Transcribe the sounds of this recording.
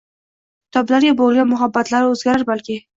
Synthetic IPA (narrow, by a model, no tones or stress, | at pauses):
t̪ɑblaɾjeboljamʊɦabːat̪laɾoʊzɡaɾaɾbalke